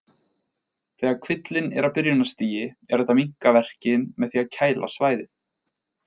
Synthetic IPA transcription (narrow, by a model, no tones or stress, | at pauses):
θɛːɣaɾkʰvɪt̪lɪnɛɾapɪɾjʏnast̪iːjɪɛɾðɛht̪ːamiŋ̥kavɛr̥cɪnmɛðθiacʰaːjlʔa̰svaːjðɪ